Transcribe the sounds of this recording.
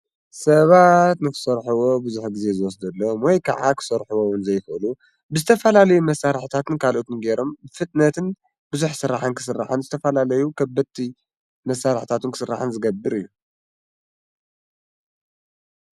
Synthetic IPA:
sɐβat̪nɨkɨ̥sɐɾħuwo̞bɨzuħɡɨze̞zɨwɔsd̪ɐlːɐmwɔjkʰa̰ʕa̰kʰɨ̥sɐɾħuwowʊnzɐjxɨlu | bɨzɨt̪ʰɐfɐlalɐjumɐsːaɾħt̪ʰat̪ʰɨnkʰalʔot̪ʰɨnɡe̞ɾo̞mbɨfɨt̪ʼnɐt̪ʰɨn | bɨzuħsɨɾːaħɨnkʰɨ̥sɨrːa̰ħɨnzɨt̪ʰɐfɐlalɐjukʰɐbɐt̪ʰːi | mɐsːaɾħt̪ʰat̪ɨnkʰɨ̥sɨrːa̰ħɨnzɨɡɐbːɨɾɨjːu

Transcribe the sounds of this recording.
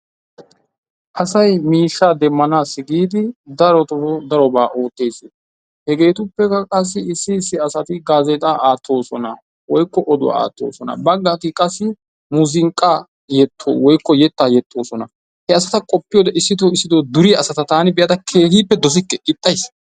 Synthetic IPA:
ʔɐsɐjmiːʃːaːd̪ɛmːɐnaːsːɪɡiːd̪ɪd̪ɐɾɔt̪ɔd̪ɐɾɔbaːʔo̞ːt̪ːe̞ːsɪ | hɛɡe̞ːt̪ʊpːɛkːɐkʼɐs̬ːɪɪsːɪsːɪɐsɐt̪ɪɡaːzet̪ʼaaːt̪ʰːo̞ːsɔnɐ̰ | wɔjkːɔʔɔd̪ʊwa̰a̰ːt̪ːo̞̰ːsɔnɐ̰bɐɡːaːt̪ɪkʼɐsːɪ | mʊzɪŋkʼːaː | jɛt̪ʰːo̰ːwɔjkːɔjɛt̪ːaːjɛt̪ʼːo̞ːsɔnɐ | hɛɐsɐt̪ɐkʼɔpːɪjoːd̪ɐʔɪsːɪd̪oːɪsːɪd̪oːd̪ʊɾiɐsɐt̪ɐt̪aːnɪbɪjɐt̪ɐkʰe̞ːhiːpːɛd̪ɔs̬ɪkːɛɪt̪ʼːɐjs

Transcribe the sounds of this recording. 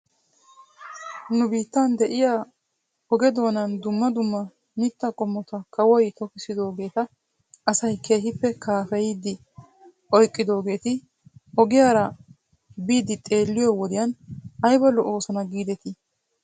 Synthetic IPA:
nʊbiːt̪ːɐnd̪ɛʔɪjaː | ɔɡɛd̪o̞ːnɐnd̪ʊmːɐd̪ʊmːɐ | mɪt̪ːɐkʼɔmːɔt̪ɐkʰɐwɔjt̪ɔkɪsɪd̪o̞ːɡe̞ːt̪ɐ | ʔɐsɐjkʰe̞ːɦɪpːɛkʰaːfɛjɪd̪ɪ | ɔjkʼːɪd̪o̞ːɡe̞ːt̪ɪ | ɔɡɪjaːɾɐ | biːd̪ɪt̪ʼe̞ːlːɪjɔwɔd̪ɪjɐnɐjbɐlːɔʔo̞ːsɔnɐɡiːd̪ɛt̪ɪ

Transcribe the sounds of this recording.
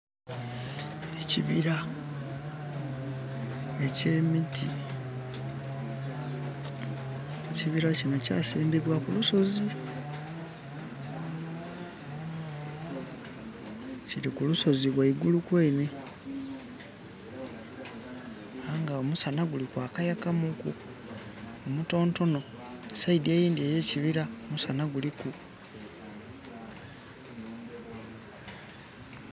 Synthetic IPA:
eciβiɾa | e̞ce̞ːmitʰi | eciβiɾacino̞ca̰ːsiːmbiβwakuluso̞zi | ciɾikuluso̞ziβwaiɡulukwe̞ːne | aŋɡaomusanaɡulikwaːkajakamukṵ | omuto̞ːnto̞no̞ | saidieːjiːndieje̞ːciβiɾaomusanaɡuliku

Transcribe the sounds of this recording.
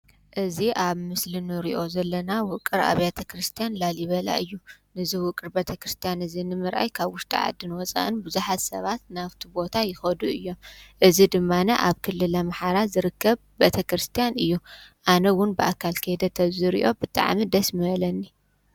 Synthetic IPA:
ʔɨziʔaβmɨslinɨɾiʔo̞zɐlːɐnawʊkʼːɨɾa̰βjat̪ʰɐkɾɨst̪ʰijanlaljɪβɐla̰ʔɨjːunɨziwʊkʼɨɾbet̪ʰɐkɾɨst̪ʰijanɨzinɨmɨɾʔa̰jkʰaβwʊʃt̪ʼḭʕa̰d̪ːɨnwɔt͡sʼa̰ʔɨnbɨzuħat̪sɐβat̪naβt̪ʰibo̞t̪ʰajɪxɐd̪uɨjːo̞mʔɨzid̪ɨmːanɐʔaβkʰɨlːɨlɐmaħaɾazɨɾɨkʰːɐβbet̪ʰɐkɾɨst̪ʰijanɨjːuʔanɐwʊnbɨʔakʰːalkʰɐjd̪ɐt̪ʰɐβziɾḭʔo̞bɨt̪ʼa̰ʕmid̪ɐsmɐlɐnːi

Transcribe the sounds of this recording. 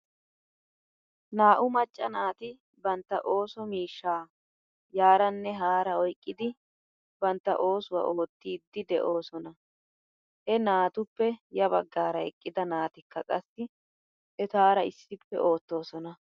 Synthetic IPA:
naːʔʊmɐt͡ʃʼːɐnaːt̪ɪ | bɐnt̪ːɐ̰ʔo̞ːsɔmiːʃːaː | jaːɾɐnːɛɦaːɾɐɔjkʼːɪd̪ɪ | bɐnt̪ːɐ̰ʔo̞ːsʊwɐ̰ʔoːt̪ːiːd̪ːɪd̪ɛʔo̞ːsɔnɐ | hɛnaːt̪ʊpːɛjɐbɐ̰ɡːaːɾɐɛ̰kʼːɪd̪ɐnaːt̪ɪkːɐkʼɐsːɪ | ɛt̪aːɾɐɪsːɪpːɛ̰ʔo̞ːt̪ːo̞ːsɔnɐ

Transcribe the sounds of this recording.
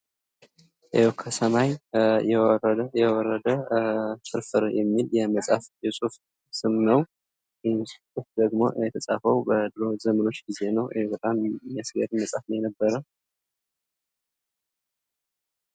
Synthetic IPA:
ʔeokʰːəsəmajɛəjɛwɔɾːəd̪ətɨɾfɨɾjɛmːiljɛməsʼafjɛsʼuf | sɨmnəw | jɪhnstʼufd̪əɡmo̞̰jɛt̪ʰəsʼa̰fəwbəd̪ɨɾo̞zəməno̞t͡ʃːɡize̞nəwʔbət̪ʼamjasɡeɾməsʼafnəjɛnəbːəɾə

